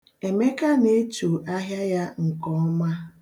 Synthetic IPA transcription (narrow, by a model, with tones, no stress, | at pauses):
e˨me˦ka˦ne˦t͡ʃu˨ʔa˦ɦja˦ja˦ŋ̩˨kɔ˦ɔ˦ma˦